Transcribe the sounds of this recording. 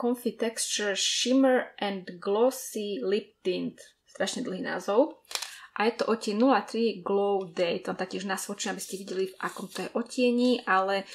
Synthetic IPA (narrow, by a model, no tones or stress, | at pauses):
kɔnfit̪ɛkst͡ʃuɾʃimɛɾʔɛnd̪ɡlɔsilip̚t̪int̪ | st̪ɾaʃɲɛd̪l̩ˠɦiːna̰ːzɔʊʔajɛt̪ɔʔɔcɪɛnnulat̪ɾiɡlɔʊd̪ɛjt̪ɔnt̪ak̚cɪɛʒnasʋɔt͡ʃiabiscɛʋiɟɛlivʔakɔmt̪ɔjɛʔɔcɪɛɲiːʔalɛ